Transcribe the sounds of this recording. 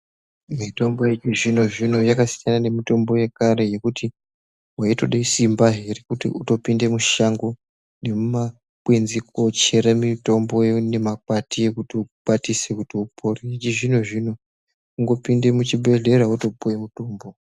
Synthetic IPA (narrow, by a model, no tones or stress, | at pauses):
mito̞mbo̞jet͡ʃiʐino̞ʐino̞jakasijanane̞mito̞mbo̞je̞kaɾe̞je̞kutʰi | waito̞ɗaisimbaɦerekutḭuto̞pinde̞muʃaŋɡo | ne̞muma | kwenzikot͡ʃe̞ɾemito̞mbo̞jene̞mak̚watije̞kutiuɓatise̞kutiupʰoriɦit͡ʃiʐino̞ʐino̞ | uŋɡo̞pinde̞mut͡ʃibe̞ɮe̞ɾauto̞pujemuto̞ːmbo̞